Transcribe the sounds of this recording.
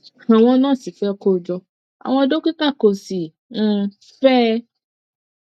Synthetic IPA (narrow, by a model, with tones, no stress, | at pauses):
a˨w̃ɔ̃˧˦nãː˦˨si˨fɛ˦˧ko˦˨d͡ʒɔ˧ | a̰˨w̃ɔ̃˧˦do˦kʷi˦ka˦˨ko˨si˨ | ñ̩˧ | fɛ˦